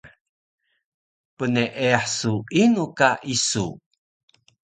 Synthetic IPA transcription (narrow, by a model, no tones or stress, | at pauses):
pəneʔeaħsuinukaʔisṵ